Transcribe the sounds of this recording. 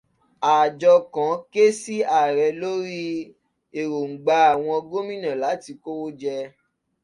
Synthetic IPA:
a˨d͡ʒɔ˧kã˨˦ke˦si˦a˨ɾɛ˨˧lo˦ɾi˦ | e˨ɾo˨ŋ̩˨ɡ͡ba˧˦a˨w̃ɔ̃˧ɡo˦mĩ˦nã˨la˨˦ti˧ko˦wo˦d͡ʒɛ˧

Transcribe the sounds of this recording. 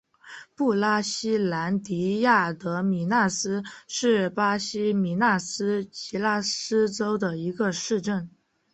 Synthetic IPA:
pu˥˩la˥ɕi˥la˧˥nt̪i˧˥ja˥˩t̪ɤ˧˥mi˨˩na˥˩sɹ̩˥ʂɻ̩˥˩pa˥ɕi˥mi˧˥na˥˩sɹ̩˥t͡ɕi˧˥la˥˩sɹ̩˥ʈ͡ʂo˥ʊd̪ə˨i˧˥ɡə˧ʂɻ̩˥˧ʈ͡ʂə˥˩n

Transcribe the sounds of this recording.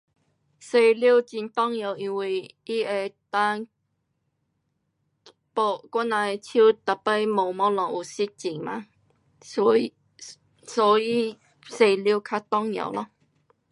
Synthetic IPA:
se˧li˦˧˨t͡ɕi˧nt̪ɔ˦ŋja˨wi˧nwi˧˩ | i˦e˧˩t̪a˧n | po˧kʷa˦nːã˧e˧t͡ɕʰu˦t̪a˨˩pe˦˩mo˨˩mɔ̃˦lɔ˨ŋʔu˨˩si˦˥t̚t͡ɕi˨˩ŋmã̰˧˦ | sɔ˨˧˦i˦ | se˧˩li˦˨kʰa˧t̪ɔ˦˧ŋja̰˨wlɔ˧˦

